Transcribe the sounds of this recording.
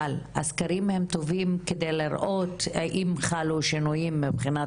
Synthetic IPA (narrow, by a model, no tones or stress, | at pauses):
ala̰skaɾimhemt̪ovimked̪ejliɾʔo̞t̪ʔimχaluʃinujimːibχina